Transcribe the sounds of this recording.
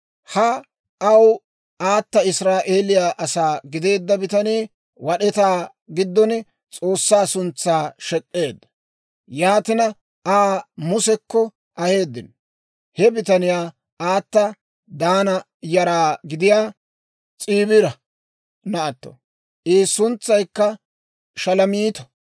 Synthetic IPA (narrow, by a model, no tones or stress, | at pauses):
hɐ | ɐw | aːt̪ːɐɪsɾaːʔeːlɪjaːʔɐsaːɡɪd̪e̞ːd̪ːɐbɪt̪ɐniː | wɐɗɛt̪aː | ɡɪd̪ːɔn | t͡sʼo̞ːsːaːsʊnt͡sːaːʃɛkʼːe̞ːd̪ːɐ̥ | jaːt̪ɪnɐ | aːmʊsɛkːɔ | ʔɐhe̞ːd̪ːɪn | hɛbɪt̪ɐnɪjaː | aːt̪ːɐ | d̪aːnɐ | jɐɾaːɡɪd̪ɪjaː | t͡sʼiːbɪɾɐ | nɐʔɐt̪ːɔ̰ | ʔiːsʊnt͡sːɐjkːɐ | ʃɐlɐmiːt̪ɔ̥